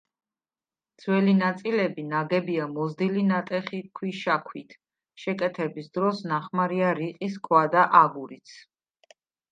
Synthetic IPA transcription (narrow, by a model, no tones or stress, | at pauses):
d̪z̥ʰwɛlinat̪sʼilɛbinaɡɛbiamɔzd̪ilinat̪ʼɛχikʰwiʃakʰwit̪ʰ | ʃɛkʼɛt̪ʰɛbisd̪ɾɔsnaχmaɾiaɾiqʼis̬kʼwad̪aʔaɡuɾit̪sʰ